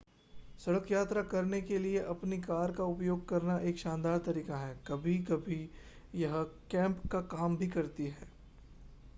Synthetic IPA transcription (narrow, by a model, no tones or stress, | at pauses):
sɐɽəkjaːt̪ɾakɐɾnekelieʔɐpnikaːɾkaʊpjoːɡ̚kɐɾnaʔeːkʃãːnd̪aːɾt̪ɐɾiːkaɦɛːkɐbʱikɐbʱi | jɐɦkɛ̃ːmpkakaːmbʱikɐɾt̪iɦɛː